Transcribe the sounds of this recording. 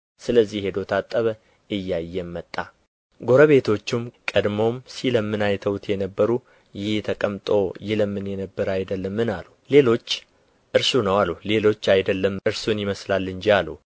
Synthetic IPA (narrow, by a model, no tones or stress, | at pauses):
sɨləzːihhe̞d̪o̞t̪ʰat̪ʼːəβə | ɨjːajːɛmːət̪ʼːa | ɡo̞ɾəβe̞t̪ʰo̞t͡ʃːɪmkʼəd̪mo̞msiləmːɨnajt̪ʰəwt̪ʰjɛnəbːəɾu | jɪht̪ʰəkʼəmt̪ʼo̞jɪləmːɨnjɛnəbːəɾajd̪əlːəmːɨnalule̞lo̞t͡ʃː | ʔɨɾsunəwalule̞lo̞t͡ʃːajd̪əlːəmɨɾsunjɪməslalːɨnd͡ʒialu